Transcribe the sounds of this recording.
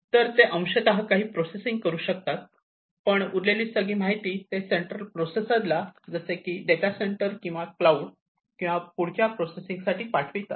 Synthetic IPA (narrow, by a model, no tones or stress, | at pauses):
t̪əɾt̪eʔə̃w̃ɕet̪aɦakaɦiːpɾosesiŋɡ̚kəɾuːɕək̚t̪at̪̚ | pəɳuɾleliːsəɡiːmaɦit̪iːt̪eseɳʈɾəlpɾosesat̪lad͡zəsekiːɖet̪aseɳʈəɾkĩw̃ʋaklauɽ | kĩw̃ʋapuɽ̤t͡ɕjapɾosesiŋɡsaʈʰiːpaʈʰʋit̪a